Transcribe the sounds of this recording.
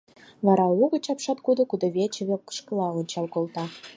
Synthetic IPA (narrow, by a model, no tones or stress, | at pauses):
βɑɾɑuɣə̆t͡ɕɑpʃɑt̪̚kud̪ŏkud̪oβʲet͡ɕə̆βʲekːə̥ʃkə̆lɑonʲt͡ɕɑlkolt̪ɑ